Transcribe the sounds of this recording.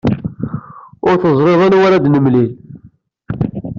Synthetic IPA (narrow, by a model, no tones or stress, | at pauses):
ʊɾθəzˤɾeðˤanwæɾad̪nəmlil